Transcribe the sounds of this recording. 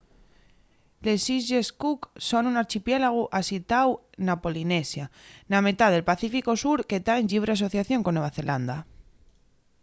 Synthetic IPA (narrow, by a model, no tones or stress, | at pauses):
lesizʝeskuksonunaɾt͡ʃipjelaɣ̞uʔasit̪aw | napo̞linesjanamet̪aðe̞lpaθifikosuɾket̪aeɲʎiβɾeas̬o̞θjaθjoŋkonweβ̞aθe̞lʔand̪a